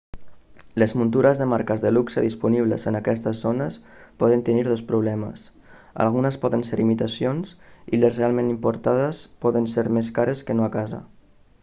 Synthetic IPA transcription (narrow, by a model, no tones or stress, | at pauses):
ləzmunt̪uɾəzðəmaɾkəzðəluksəðispuniβ̞lə̰zənakɛst̪əzːonəspɔð̞ənt̪əniɾð̞ospɾuβlɛmə̰s | a̰lˠɣ̞unəspɔðənseɾimit̪asionsilesrealˠmẽnimpuɾt̪aðəspɔðənseɾmeskaɾəskənoakazə̰